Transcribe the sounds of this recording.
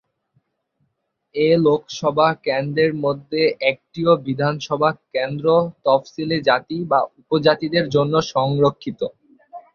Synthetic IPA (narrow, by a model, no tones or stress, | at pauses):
elokʰʃɔbʱakend̪ɾeɾmod̪ʱːeʔɛk̚ʈiobid̪ʱanʃɔbʱakend̪ɾot̪ɔfsiled͡ʑat̪ibaupod͡ʑat̪id̪eɾd͡ʑonːoʃɔŋɾokʰːit̪o